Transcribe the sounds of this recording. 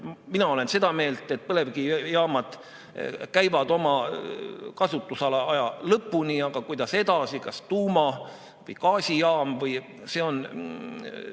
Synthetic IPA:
minɑo̞le̞nse̞d̪̥ɑme̞ːlt̪ˑe̞t̪̚pɤle̞vɡijɑːmɑd̪̥ | kæjvɑd̪o̞mɑ | kɑsut̪ːˑusɑlɑɑjɑlɤpːuniɑɡ̥ɑkujd̪̥ɑse̞d̪̥ɑsikɑst̪uːmɑ | vɤ̰jkɑːsʲijɑːmvɤj | se̞o̞n

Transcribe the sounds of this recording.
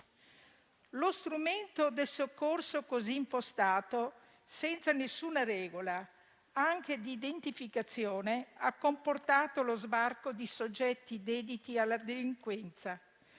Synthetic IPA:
lost̪ɾument̪od̪elsokːorsokozimpost̪aːt̪o | sɛnt̪sanesːuːnaɾɛːɡola | aŋk̟ed̪iːd̪ent̪ifikat̪sːjoːneakːomport̪aːt̪olozbarkod̪isod͡ʒːɛt̪ːid̪ɛːd̪it̪ialːad̪eliŋkwɛnt̪sa

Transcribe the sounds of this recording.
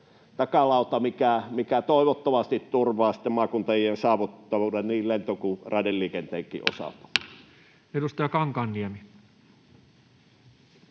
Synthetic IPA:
t̪ɑkɑlɑˑut̪ɑmikæmikæt̪oˑeʋot̪ːɑmɑst̪it̪t̪urʋˑɑːsi̥t̪ːemmɑˑkunt̪ɑjiensɑˑːʋut̪ːɑʋuːdenniːllent̪okurɑˑedelliːkent̪eːŋkːˑḭːʔo̰sɑ̰t̪u̥ | edust̪ɑjɑkɑŋkɑnːiemi

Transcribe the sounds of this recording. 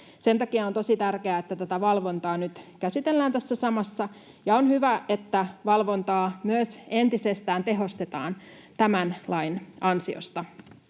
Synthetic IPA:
se̞nt̪ɑkiɑont̪o̞sit̪ærkeæet̪ːæt̪æt̪æʋɑlʋo̞nt̪ɑːnyt̪kæsit̪e̞lːæːnt̪æsːæsɑmɑsːɑ | jɑonhyʋæet̪ːæʋɑlʋo̞nt̪ɑːmyøse̞nt̪isest̪æːnt̪e̞ɦo̞st̪et̪ɑ̰ːn | t̪æmænlɑinɑnsio̰st̪ɑ

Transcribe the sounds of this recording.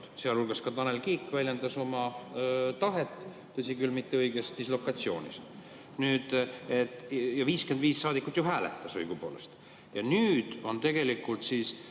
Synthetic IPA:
seɑlulɡ̥ɑskɑt̪ɑnelkiːkːvælʲjend̪ɑso̞mɑ | t̪ɑɦe̞t̪ˑː | ɤsʲikylmit̪ːeɤjɡest̪islo̞kːˑɑt̪sio̞ːnʲḭs | nyːd̪̥et̪ːjɑviːske̞nd̪viːsːɑːd̪ikːˑut̪ːˑjoɦæːlet̪ːˑɑsɤjɡ̥upo̞̰ːlest̪ | jɑnyːd̪̥o̞nt̪e̞ɡ̥e̞likːˑult̪siːs

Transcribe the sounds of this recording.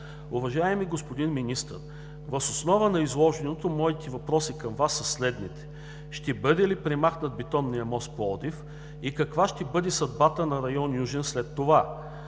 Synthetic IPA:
ʊvɐʒaɛmiɡospod̪inminist̪ə̰ɾ | vɐsosnɔvənɐizlˠɔʒɛnot̪omɔit̪ivɐpɾɔsikɐmvasːɐslɛd̪nit̪ɛ̥ | ʃt̪ɛbɤd̪ɛlipɾɛmaxnət̪̚bit̪ɔnːijɐmɔsk̪̚poɔd̪if | ikɐkvaʃt̪ɛbɤd̪ɛsɐd̪̚bat̪ənɐɾɐjɔnjuʒɛnslɛt̪ːova

